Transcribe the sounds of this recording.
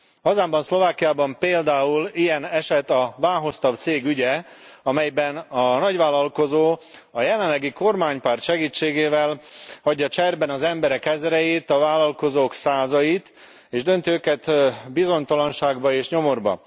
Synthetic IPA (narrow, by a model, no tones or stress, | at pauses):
hɒzaːmbɒnslo̞vaːkijaːbɒmpeːld̪aːulijɛnɛʃɛt̪ɒvaːnɦo̞st̪ɒb̚t̪seːɡyɟɛɒmɛjbɛnɒnɒɟʋaːlːɒlko̞zoːɒjɛlɛnlːɛɡiko̞rmaːɲpaːrt̪ʃɛɡiːt͡ʃːeːɡeːvɛlhɒɟːɒt͡ʃɛrbɛnɒzɛmbɛɾɛkɛzɾɛjit̪ɒvaːlɒlko̞zoːksaːzɒjit̪ | eːʒd̪ønt̪iøːkɛt̪bizo̞ɲt̪ɒlɒnʃaːɡbɒeːʃɲo̞morbɒ̰